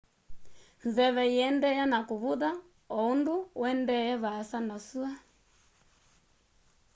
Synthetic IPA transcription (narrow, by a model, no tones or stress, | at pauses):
nzɛβɛiɛndɛjanakuβuða | ɔunduwɛndɛjɛβaːsanɔsua